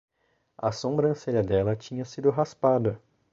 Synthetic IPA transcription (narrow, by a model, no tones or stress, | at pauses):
ɐ̰sõmbɾɐ̃seʎɐd̪ɛlɐt͡ʃĩɲɐsid̪ʊɦaspad̪ɐ